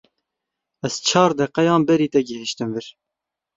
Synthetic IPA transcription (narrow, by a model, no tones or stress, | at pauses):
ɛz̥t͡ʃʰɑːɾd̪ɛqɛjɑːnbɛɾiːt̪ɛɡɨhɪʃt̪ɨmvɨɾ